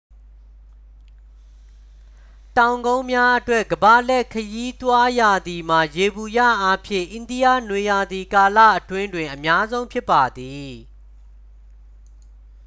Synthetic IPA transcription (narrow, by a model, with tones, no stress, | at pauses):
tã˨ʊ̃ŋɡõ˦ʊ̃mja˦ʔətwɛ˦ʔɡəba˨lɛ˦ʔkʰəji˦t̪wa˦ja˨d̪i˨m̥a˨je˨bu˨ja̰˦˨ʔa˦pʰjɪ̰̃˦˨ʔɪ̃˨ndi˦ja̰˦˨nwe˨ja˨d̪i˨ka˨lä̰˦˨ʔətwɪ̃˦ndwɪ̃˨ʔəmja˦zõ˦ʊ̃pʰjɪ˦pːa˨d̪i˨